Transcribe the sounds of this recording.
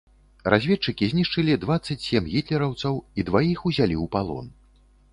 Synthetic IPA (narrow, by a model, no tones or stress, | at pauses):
razʲvʲɛt͡ʂɨkʲizʲnʲiʂt͡ʂɨlʲid̪vat̪sːɐt͡sʲsʲɛmɣʲit̪lʲɛɾɐwt̪sɐwid̪vajixuzʲalʲiwpalˠɔ̰n